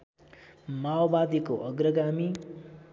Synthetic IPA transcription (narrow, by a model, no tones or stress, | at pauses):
maobad̪ikoʔʌɡrʌɡami